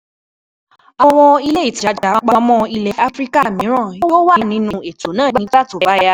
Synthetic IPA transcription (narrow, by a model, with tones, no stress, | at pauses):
ɔ˧w̃ɔ̃˧i˧le˦i˨ti˨a˨˦d͡ʒa˨˦˧k͡pã˧mɔ̃˧i˧lɛ˨a˦fɾi˦ka˦˨mĩ˨˦ɾ̃ã˦˨o˦o˦wa˦˧˨nĩ˨˦nũ˧e˨to˨˦nãː˦˨ɡ͡b̃ta˦˨tõ˨˧˦ba˨˦ja˧